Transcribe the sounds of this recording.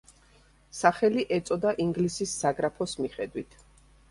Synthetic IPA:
saχɛliʔɛt̪sʼɔd̪aʔiŋɡlisisːaɡɾapʰɔsmiχɛd̪wit̪ʰ

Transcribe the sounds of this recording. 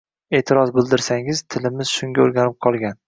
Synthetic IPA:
e̞ːt̪ʰɪɾɒzbɪlˠd̪ɪɾsaŋɪzt̪ʰɪlɪmɪz̥ʃʊŋɡʲaoɾɡʲanɪp̚qʰɒlˠɡʲan

